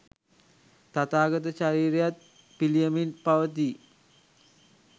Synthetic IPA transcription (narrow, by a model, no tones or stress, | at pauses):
t̪at̪aːɡət̪̬əʃaɾiːɾejat̪̚ | pilijəmilpaʋət̪̬i